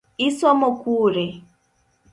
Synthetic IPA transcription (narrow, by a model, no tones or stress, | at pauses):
isɔmokʷuːɾe